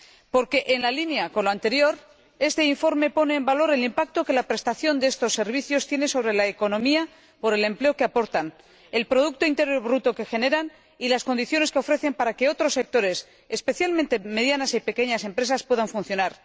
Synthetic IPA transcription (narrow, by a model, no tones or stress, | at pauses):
po̞ɾke̞ʔenlalinjako̞nloant̪e̞ɾjo̞ɾ | e̞st̪e̞iɱfo̞ɾme̞po̞ne̞ːmbalo̞ɾe̞limpak̚t̪o̞ke̞lapɾe̞st̪aθjo̞nd̪eest̪o̞sːe̞ɾβiθjo̞st̪je̞ne̞so̞β̞ɾe̞laeko̞nõ̞mia | po̞ɾe̞le̞mple̞o̞keapo̞ɾt̪an | e̞lpɾo̞ðuk̚t̪o̞int̪e̞ɾjoβɾut̪o̞ke̞xe̞ne̞ɾan | ilasko̞nd̪iθjo̞neskeo̞fɾe̞θe̞mpaɾake̞o̞t̪ɾo̞sːe̞k̚t̪o̞ɾe̞s | espe̞θjalmẽnt̪e̞me̞ðjanasipe̞ke̞ɲase̞mpɾe̞saspwe̞ðaɱfunθjo̞naɾ